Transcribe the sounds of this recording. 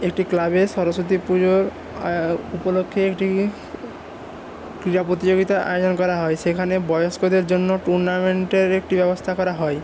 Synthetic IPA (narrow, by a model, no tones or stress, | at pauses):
ek̚ʈiklabeʃɔɾosot̪̬ipud͡ʑoɾ | upolokʰːeekʈi | kɾiɾapɾot̪id͡ʑoɡit̪aʔa̰jod͡ʑonkɔɾaɦɔeʃekʰanebɔjoskod̪eɾd͡ʑonːoʈuɾnameɳʈeɾek̚ʈibɛbost̪ʰakɔɾaɦɔe